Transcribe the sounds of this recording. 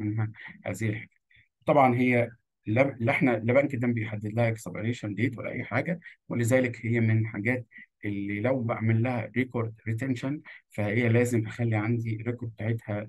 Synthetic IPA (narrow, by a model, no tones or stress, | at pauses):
enɦæhæ̰ːzɪhilħaɡ̥æ̥ːt̪ | t̪ˤɑbʕɑnɦejːæ | lːælʔeħnælebæʔnkæd̪æːmbejħad̪ːed̪læhækæ̥sˤɑbeɾeːʃænd̪eːt̪wæ̰lːæ̰ʔæ̰ːħaːɡæwḛlezæːlekhejːæmenħaɡæːt̪̚ʔelːilæwbʔa̰ʕmelːæhæ̰ɾekoɾd̪ɾit̪̬enʃænfæhejːælæːzemʔexælːiʕand̪iɾekoɾ̚b̚t̪aʕet̪hæ